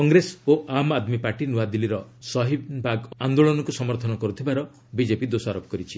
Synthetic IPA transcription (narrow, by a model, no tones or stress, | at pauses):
kɔŋɡɾesoʔamad̪mipaɾʈinuad̪iliɾɔsɔɦibʱaɡand̪oɭɔnɔkusɔmɔɾt̪ʰɔnɔkɔɾut̪ʰibaɾɔ | bid͡ʒepid̪osaɾopɔkɔɾit͡ʃʰi